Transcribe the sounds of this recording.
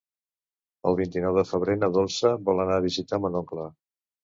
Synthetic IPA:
əlˠβint̪inɔwðəfəβɾenəðolˠsəβɔlˠənaβ̞izit̪amənɔŋklə

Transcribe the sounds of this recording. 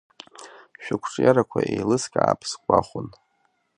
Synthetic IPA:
ʃᶣʊkʷʰʈ͡ʂʼjaɾakʷʰaʔejlɨskʲʼaːpʰskʷʼaχʷʊn

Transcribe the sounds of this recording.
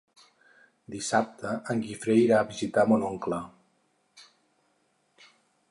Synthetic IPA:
d̪isap̚t̪ʰəʔəŋɡifɾejɾaːβizit̪amonoŋklə

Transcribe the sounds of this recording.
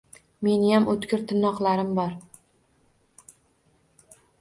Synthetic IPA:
me̞nɪjamʔot̪kʲɪɾt̪ʰɪnːɒqlaɾɪmbɒɾ

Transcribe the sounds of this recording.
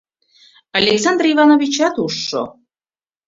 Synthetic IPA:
ɑlʲeksɑnd̪rivɑnovʲit͡ɕɑt̪uʃːo̰

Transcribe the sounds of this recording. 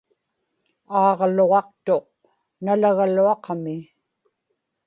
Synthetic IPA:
ɑːʁlo̞ʁɑqt̪o̞q̚ | nalaɣaluɑqmɪ

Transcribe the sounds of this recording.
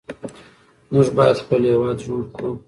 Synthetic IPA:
muʐbɑjad̪xpəlhewɑd̪ʒoɽku

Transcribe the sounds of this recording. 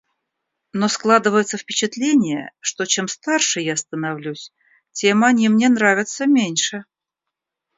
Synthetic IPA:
no̞sklˠad̪ɨvəjɪt̪səfpʲɪt͡ɕɪt̪lʲenʲɪjə̰ʂt̪o̞t͡ɕe̞mst̪arʂɨjast̪ənɐvlʲusʲ | tʲe̞mɐnʲimnʲe̞nɾavʲɪt̪səmʲenʲʂɨ

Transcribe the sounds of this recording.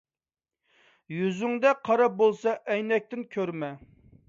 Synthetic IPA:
jyzyŋd̪ɛqʰɑɾɑp̚bolˠsɑʔɛjnɛk̚ʲt̪ɪnkʲʰøɾmɛ

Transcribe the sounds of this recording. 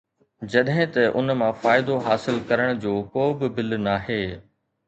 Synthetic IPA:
d͡ʑɐɗɦɪ̃t̪ɐʔʊnmãfaːɪd̪oɦaːsɪlkɐɾəɽ̃d͡ʑoːkoːbɪbɪlnaɦeː

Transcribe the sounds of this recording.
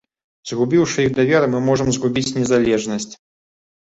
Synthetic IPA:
zɣubʲiwʂɨjiɣd̪avʲɛɾɨmɨmɔʐɨmzɣubʲit͡sʲnʲɛzalʲɛʐnɐsʲt͡sʲ

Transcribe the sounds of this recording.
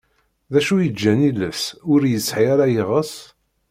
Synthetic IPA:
ðæʃujəd͡ʒːæniləfsʊɾjəsːħiaɾajeʁəs

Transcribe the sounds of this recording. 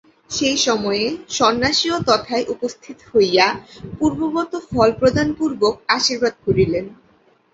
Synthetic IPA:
ʃejʃɔmɔeeʃɔnːaʃiot̪ɔt̪ʰaeʔupost̪ʰit̪o̥hojjapuɾbobɔt̪ofʰɔlpɾod̪ʱanpuɾbok̚aʃiɾbad̪̚ɡʰʱoɾilen

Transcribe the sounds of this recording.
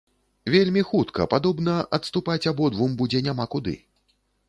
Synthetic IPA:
vʲelʲmʲixut̪kɐ̰pad̪ɔbnɐʔɐt̪st̪upat͡sʲabɔd̪vumbud͡zʲɛnʲamakud̪ɨ̰

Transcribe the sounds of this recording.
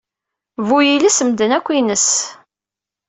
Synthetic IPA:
vujilisəmd̪ənækʷːinəs

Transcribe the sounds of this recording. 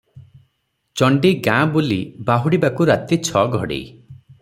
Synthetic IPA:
t͡ʃɔɳɖiɡãbulibaɦuɽibakuɾat̪it͡ʃʰɔɡʱɔɽḭ

